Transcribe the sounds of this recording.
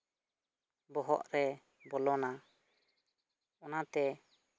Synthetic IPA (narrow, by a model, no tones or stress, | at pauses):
bɔɦɔ̰ʔɾɛ | bɔlɔna | ɔnat̪ɛ